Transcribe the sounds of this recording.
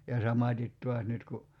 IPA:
jɑ sɑmɑtʲit tuɑs nyt ku

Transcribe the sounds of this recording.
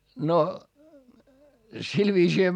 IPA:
no sil ʋiːsiːhæ

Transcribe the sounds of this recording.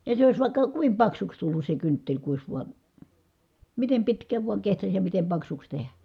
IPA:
jɑ se ois ʋɑˑi̯kːɑ kuim pɑksuks tulːus se kyntːelʲ ku ois ʋuɑn̞ mitem pitkæːʋ ʋuɑŋ kehtɑs jɑ mitem pɑksuks tehæ

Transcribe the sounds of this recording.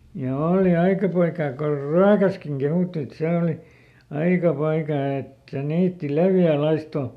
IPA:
jɑ oːli ɑikɑ poikɑː kor ryækæskiŋ kehuˑtːi et seˑ oli ɑikɑ poikɑː et niːtːi leʋjæˑ lɑisto

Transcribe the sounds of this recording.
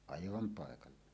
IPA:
ɑiʋɑm pɑˑekɑlːɑ

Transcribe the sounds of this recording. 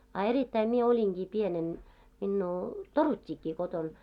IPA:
ɑ eritːæi mie oliŋɡ̊iː pienen minːuː torutʲːiːkːiː koton

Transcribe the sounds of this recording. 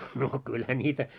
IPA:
no kylhæ nʲiːtæ

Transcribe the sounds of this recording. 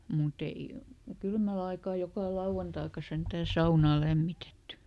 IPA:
mut ei kylmæl ɑikɑː jokɑˑ lɑuw̆ɑntɑikɑ sentæː sɑunɑː læmːitetːy

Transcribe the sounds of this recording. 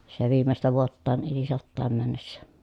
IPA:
se ʋiːmestæ ʋuotːɑːn eli sɑtːɑːm mænːesːæ

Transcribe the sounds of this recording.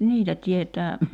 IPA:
niːtæ tietæː

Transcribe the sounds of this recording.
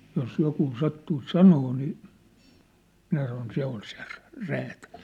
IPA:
jos jokuː sɑtːuis sɑnoː niː minæ sɑnon se on se ræ̥ ræːtæl̥

